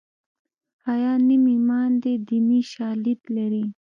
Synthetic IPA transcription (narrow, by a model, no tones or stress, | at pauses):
ɑjɑnimimɑnd̪ed̪imiʃɑlid̪laɾi